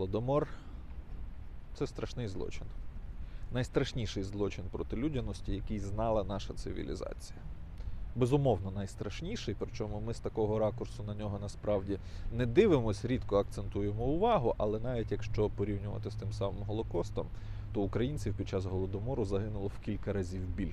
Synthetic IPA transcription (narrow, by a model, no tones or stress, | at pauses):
ɔlˠɔd̪ɔmɔr | t̪sɛst̪ɾʔɐʃnɪjzlˠɔ̰t͡ʃɪn | nɐjst̪ɾɐʃnʲiʃɪjzlˠɔt͡ʃɪnpɾɔt̪ɪlʲudʲɐnɔsʲtʲijɐkɪjznɑlˠɐnɑʃɐsɪ̰ʋʲḭlʲḭzɑ̰t͡sʲi̥jɐ | bezʊmɔwnɔnɑjst̪ɾɐʃnʲiʃɪjpɾɪt͡ʃɔmʊmɪst̪ɐkɔɦɔɾɑkʊrsʊnɐnʲɔɦɔnɐspɾɑwdʲinɛd̪ɪʋɪmɔsʲɾʲid̪kɔɐk̚t̪sent̪ujemɔʊʋɑɦʊʔɐlˠɛnɑʋʲitʲjɐkʃt͡ʃɔpɔɾʲiwnʲʊʋɐ̰t̪ɪst̪ɪmsɑmɪmɦɔlˠɔkɔst̪ɔ̰m | t̪ɔʊkɾɐjinʲt͡sʲiwpʲid̪̚t͡ʃɑsɦɔlˠɔd̪ɔmɔɾʊzɐɦɪnʊlˠɔwkʲilʲkɐɾɐzʲiwbʲilʲ